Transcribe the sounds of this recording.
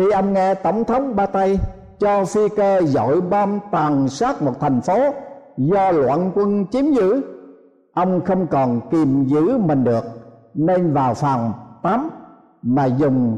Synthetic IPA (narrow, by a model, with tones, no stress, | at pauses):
xi˧ʔə˧wŋ͡mŋɛ˧t̪ə̰˧˩wŋ͡mt̪ʰə˨˦wŋ͡mɓaː˧t̪a˧j | t͡ɕɔ˧fi˧ke˧zo̰˧˨jɓaː˧mt̪aː˨˩ŋsaː˦˥t̚mo˨˩t̚t̪ʰa˨˩jŋ̟fo˨˦zɔ˧lwa̰ː˧˨nkwə˧nt͡ɕi˨˦əmzɨ̰˧˥ | ʔə˧wŋ͡mxə˧wŋ͡mkɔ˨˩nki˨˩mzɨ̰˧˥mï˨˩ŋ̟ɗɨ˨˩ək̚ne˧nvaː˨˩wfaː˨˩mt̪a˨˦m | maː˨˩zʊ˨˩ŋ͡m